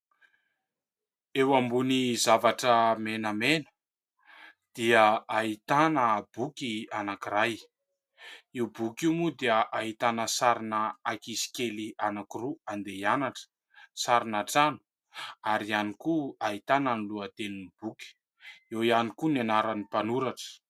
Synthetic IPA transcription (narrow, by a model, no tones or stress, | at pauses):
ewambunizavaʈ͡ʂəmenəmenə̥ | d̪̥iəaɦit̪anəbukianakiɾaj | iubukimud̪iəʔaɦit̪anəsaɾinəakisi̥kelianakiruand̪eanaʈ͡ʂə̥ | saɾinaʈ͡ʂanu̥ | aɾianikuaɦit̪ananiluət̪eninib̥ukʲi̥ | ewianikunianaɾanipanuɾaʈ͡ʂə̥